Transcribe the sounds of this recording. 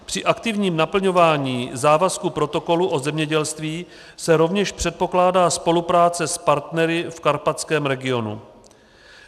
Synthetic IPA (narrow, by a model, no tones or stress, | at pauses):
pr̝̥ɪʔakt̪ɪvɲiːmnapl̩ɲo̞vaːɲiːzaːvaskupɾo̞t̪o̞ko̞luʔo̞zɛmɲɛɟɛlst̪viː | sɛɾo̞vɲɛʃpr̝̥ɛt̪̚po̞klaːdaːspo̞lupɾaːt͡sɛspaɾt̪nɛɾɪfkaɾpat͡skɛːmɾɛɡɪo̞nṵ